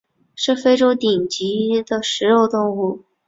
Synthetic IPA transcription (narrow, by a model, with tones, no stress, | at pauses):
ʂɻ̩˥˩fe˥ɪʈ͡ʂo˥ʊt̪i˨˩ŋt͡ɕi˧˥d̪ə˧ʂɻ̩˧˥jo˥˩ʊt̪ʊ˥˧ŋu˥˩